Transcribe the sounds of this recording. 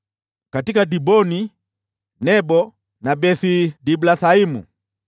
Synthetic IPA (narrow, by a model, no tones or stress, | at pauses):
katikadibɔni | nɛbɔ | nabɛθidiblaθaimṵ